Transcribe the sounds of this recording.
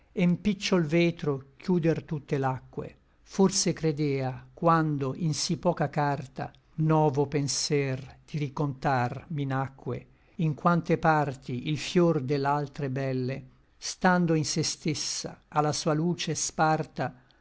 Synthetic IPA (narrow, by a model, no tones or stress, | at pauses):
empit͡ʃːolvɛːt̪ɾok̟ʰjuːd̪ert̪ut̪ːelakːwḛ | forsekɾed̪ɛːakwand̪oʔinsipːɔːkakart̪a̰ | nɔːvopensɛrd̪̥iɾikont̪arminakʰːwḛ | iŋkwant̪epart̪iʔilfjord̪elːalt̪ɾebɛlːe | st̪and̪oinsest̪esːa̰ːlːasuːaluːt͡ʃespart̪a